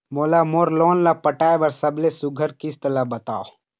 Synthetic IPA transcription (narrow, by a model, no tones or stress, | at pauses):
moːlamoːɾloːnlapɐʈaːebɐɾsɐblesʊɡʱəɾkɪst̪əlabɐt̪a̰ːo